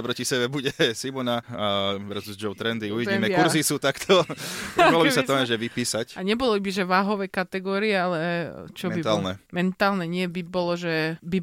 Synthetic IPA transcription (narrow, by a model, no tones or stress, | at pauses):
apɾɔcisɛbɛbuɟɛsimɔnaʋɛɾzuzd͡ʒɔʊt̪ɾɛnd̪iuʋiiːmɛkuɾzisut̪akt̪ʰɔpkalɔbisat̪ɔaʒɛʋipiːsacaɲɛbɔlibiʒɛʋaːɦɔʋɛkat̪ɛɡɔːɾiɛalɛt͡ʃɔbit̪alnɛmɛnt̪aːlnɛɲɪɛbibɔlɔʒɛbi